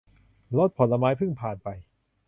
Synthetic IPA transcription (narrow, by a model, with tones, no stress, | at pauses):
lo˦˥t̪̚pʰɔ˨˩˦nla˧maː˦˥jpʰɯ˥˩ŋpʰaː˨˩npa˧j